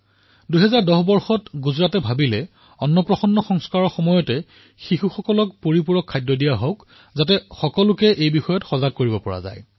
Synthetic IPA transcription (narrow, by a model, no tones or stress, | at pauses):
duɦɛzaɹdɔhbɔɹxɔtɡuzɹatɛbʱabilɛ | ɔnːɔpɹɔxɔnːɔxɔŋskaɹɔɹxɔmɔjɔtɛ | xixuxɔkɔlɔk̚poɹipuɹɔkʰːajdjɔdijaɦɔk | zatɛxɔkɔlʊkɛʔejbixɔjɔtxɔzaɡ̚kːoɹibɔpɔɹa̰za̰j